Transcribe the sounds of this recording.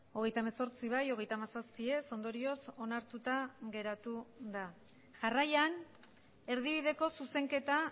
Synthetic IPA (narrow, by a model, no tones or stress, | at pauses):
o̞ɣ̞e̞jt̪aemaso̞ɾt͡siβajo̞ɣ̞e̞jt̪amasaspie̞so̞nd̪o̞ɾio̞so̞naɾt̪ut̪aɣe̞ɾat̪uða | ʝarajan | e̞ɾðiβ̞iðe̞ko̞suse̞ŋke̞t̪a